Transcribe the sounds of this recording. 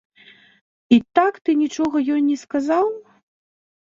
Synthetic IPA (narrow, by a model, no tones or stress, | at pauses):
it̪akt̪ɨnʲit͡ʂɔɣɐjɔnʲnʲːɛskazaw